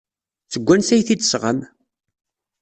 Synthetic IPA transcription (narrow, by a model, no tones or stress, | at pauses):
θəɡʷːænsæjθid̪sʁəm